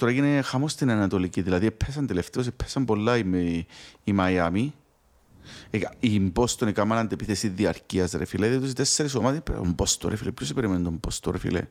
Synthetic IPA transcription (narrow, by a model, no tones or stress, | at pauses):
t̪oɾɐjinexɐmost̪inɐnɐt̪o̞liciðilɐðiepʰːesɐnt̪eleft̪eos̬epʰːesɐmbo̞lːɐimː | mɐjami | imbo̞st̪onikamɐlɐnd̪epiθesiðiɐɾciɐsɾefileðit̪us̬it̪esːeɾisomat̪ipo̰mbost̪oɾefilepçosibeɾiment̪ombost̪oɾefḭlḛ